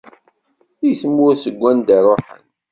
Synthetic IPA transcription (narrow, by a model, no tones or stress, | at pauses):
iθəmːʊɾsəɡʷːænd̪iɾˤoħə̰n